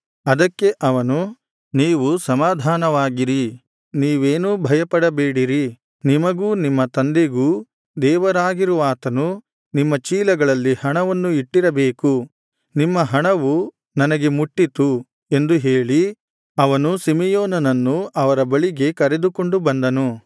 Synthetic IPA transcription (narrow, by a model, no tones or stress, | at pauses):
ɐd̪ɐkːe̞ʔɐʋɐnu | niːʋusɐmaːd̪ʱaːnɐʋaːɡiɾi | niːʋeːnuːbʱɐjɐpɐɽɐbeːɽiɾi | nimɐɡuːnimːɐt̪ɐnd̪e̞ɡuː | d̪ɛːʋɐɾaːɡiɾuʋaːt̪ɐnu | nimːɐt͡ʃiːlɐɡɐɭɐlːihɐɳɐʋɐnːuiʈːiɾɐbe̞ːku | nimːɐɦɐɳɐʋu | nɐnɐɡe̞muʈːit̪u | e̞nd̪uɦe̞ːɭi | ɐʋɐnusimijoːnɐnɐnːuʔɐʋɐɾɐbɐɭiɡe̞kɐɾe̞d̪uko̞ɳɖubɐnd̪ɐnu